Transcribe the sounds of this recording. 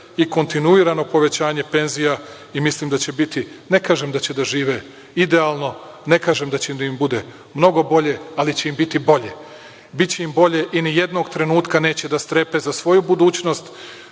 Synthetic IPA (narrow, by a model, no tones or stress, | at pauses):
iko̞nt̪inuiɾano̞po̞ʋe̞t͡ɕaːɲe̞pe̞nzija | imislimd̪at͡ɕe̞bit̪ine̞kaːʒemd̪at͡ɕe̞d̪aʒiːʋe̞ | id̪e̞aːlˠno̞ | ne̞kaːʒemd̪at͡ɕed̪aimbud̪e̞ | mno̞ɡo̞bo̞ʎe̞alit͡ɕe̞imbit̪ibo̞ʎe | bit̪t͡ɕe̞imbo̞ʎe̞ʔinije̞d̪no̞ɡt̪ɾe̞nuːt̪kane̞ːt͡ɕe̞d̪ast̪ɾe̞pe̞zasʋo̞jubud̪uːt͡ɕno̞st̪